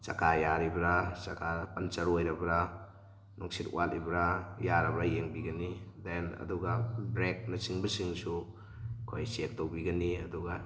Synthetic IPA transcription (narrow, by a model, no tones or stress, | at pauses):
sɐ̰kʰajaɾibɾasɐkʰapɐnt͡ʃɐɾojɾɐbɾa | nɔŋsitṵʔalibɾajaɾɐbɾajeŋbiɡɐnidenɐ̰duɡabɾek̚nɐsiŋbɐsiŋsu | kʰojsek̚tobiɡɐniɐ̰duɡa